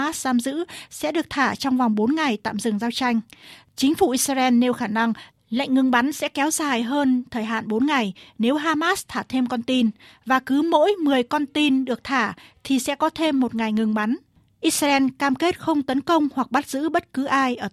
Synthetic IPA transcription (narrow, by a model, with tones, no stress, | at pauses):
aː˦˥szaː˧mzɨ̰˧˥sɛ̰˧˥ɗɨ˨˩ək̚t̪ʰaː˧˩t͡ɕɔ˧wŋ͡mva˨˩wŋ͡mɓo˨˦nŋa˨˩jt̪a̰ː˧˨mzɨ˨˩ŋzaː˧wt͡ɕa˧jŋ̟t͡ɕï˨˦ŋ̟fu˧˩ʔi˧˥saː˧ʔɛ˧nːe˧wxaː˧˩na˧ŋ | la̰˧˨jŋ̟ŋɨ˧ŋɓa˨˦nsɛ̰˧˥kɛ˨˦wzaː˨˩jɦəː˧nt̪ʰəː˨˩jɦa̰ː˧˨nɓo˨˦nŋa˨˩jne˨˦wɦaː˧maː˦˥st̪ʰaː˧˩t̪ʰe˧mkɔ˧nt̪i˧nvaː˨˩kɨ˨˦mo̰˧˥jmɨ˨˩əjkɔ˧nt̪i˧nɗɨ˨˩ək̚t̪ʰaː˧˩t̪ʰi˨˩sɛ̰˧˥kɔ˨˦t̪ʰe˧mːo˨˩t̚ŋa˨˩jŋɨ˧ŋɓa˨˦n | ʔi˦˥t̚sa˧ʔɛ˧nkaː˧mke˦˥t̚xə˧wŋ͡mt̪ə˨˦nkə˧wŋ͡mhwa˨˩k̚ɓa˦˥t̚zɨ̰˧˥ɓə˦˥t̚kɨ˨˦ʔaː˧jʔəː˧˩